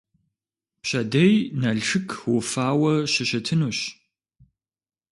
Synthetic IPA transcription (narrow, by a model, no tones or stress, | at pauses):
pɕɐdɐjnɐɮʈ͡ʂʰɨkʰwʊfaːwɐɕɪɕɐtʰɨnuːɕ